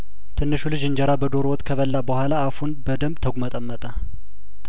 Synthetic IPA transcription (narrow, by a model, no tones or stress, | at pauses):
t̪ʰɨnːɨʃulɨd͡ʒɨɲd͡ʒəɾabəd̪o̞ɾowɔt̪ʼkʰəβəlːabəhʷalaːfunbəd̪əmbt̪ʰəɡʷumət̪ʼəmːət̪ʼə